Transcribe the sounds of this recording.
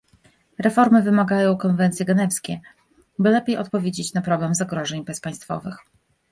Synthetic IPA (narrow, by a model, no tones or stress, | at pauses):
ɾɛfɔɾmɘvɘmaɡajɔ̃w̃kɔnvɛnt̪sʲjɛɡɛnɛfskʲɛ | bɘlɛpʲejʔɔt̪̚pɔvʲjed͡ʑet͡ɕnapɾɔɡlamzaɡɾɔʐɛɲbɛspaj̃st̪fɔ̰vɘx